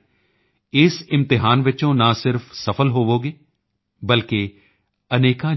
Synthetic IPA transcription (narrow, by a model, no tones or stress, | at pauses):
ɪsɪmt̪ɪɦaːnʋɪt͡ʃõːnasɪɾfsəfʰəlɦoːʋoːɡeː | bəlkeː | əneːkãː